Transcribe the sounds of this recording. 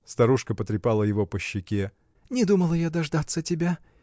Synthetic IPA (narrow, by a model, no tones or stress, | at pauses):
st̪ɐɾuʂkəpət̪ɾʲɪpalˠəjɪvopəɕːɪkʲe | nʲɪd̪uməlˠəjad̪ɐʐd̪at̪sətʲɪbʲa